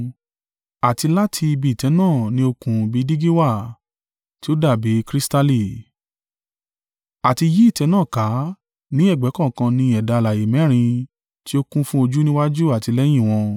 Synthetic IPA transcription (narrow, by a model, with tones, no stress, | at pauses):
a˨ti˧la˦tʰi˧i˧bi˧i˨tɛ˨˧˦nãː˦˨nĩ˧˦o˧kũ˧bi˦di˦ɡi˦wa˦˨ | ti˦o˦da˦˨be˨˦kɾi˦sta˦li˦˨ | a˨ti˧ji˦i˦˨tɛ˨˧˦nãː˦˨ka˨˦ | nĩ˦ɛ˦˨ɡ͡bɛ˨˦kɔ̃˦˨kã˧nĩ˧˦ɛ˨da˨˧la˨je˨˦mɛ̃˨˦ɾ̃ĩ˧ | ti˦o˦kũ˦fũ˦o˧d͡ʒu˦nĩ˦wa˦d͡ʒu˦a˦˨ti˨˧lɛ˦j̃ĩ˦˨w̃ɔ̃˧